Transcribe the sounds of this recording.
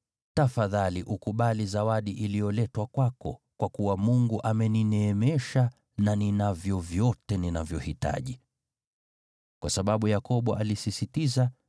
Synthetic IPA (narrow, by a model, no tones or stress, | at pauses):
tafaðaliʔukuɓalizawaɗiʔilijɔlɛtwakwakɔ̰ | kwakuwamuŋɡuʔamɛninɛːmɛʃa | naninavjɔvjɔtɛninavjɔhita̰ʄi | kwasaɓaɓujakɔɓɔʔalisisitiza